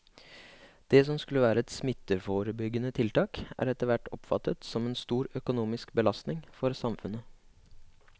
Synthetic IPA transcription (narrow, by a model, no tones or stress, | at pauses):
d̪̥ɛs̬ɔmskʉləʋæːɾəɛt̪smɪt̪ːəfoːɾəbʏɡənət̪ʰɪlt̪ɑːkæ̰ːɾɛt̪əɾʋæʈːɔpfɑ̰t̪ːət̪sɔmeːnst̪uːɾœkʊnuːmɪskbəlɑst̪nɪŋfɔɾsɑmfʉnə